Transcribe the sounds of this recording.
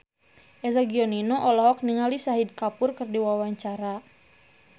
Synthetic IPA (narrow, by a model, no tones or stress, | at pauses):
ʔɛzaɡiɔninɔʔɔlɔɦɔk̚niŋalisaɦid̚kapʊrkɨrdiwawaɲt͡ʃaɾa